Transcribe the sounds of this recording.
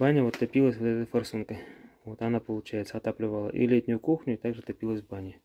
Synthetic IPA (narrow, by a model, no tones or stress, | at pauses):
banʲəvot̪ːɐpʲilˠəsʲvot̪ɛt̪əjfɐrsunkəvo̞t̪anapəlˠʊt͡ɕæjɪt̪səɐt̪aplʲɪvalˠə̰ʔḭlʲetʲnʲʊjʊkuxnʲʊit̪aɡʐɨt̪ɐpʲilˠəsʲbanʲɪ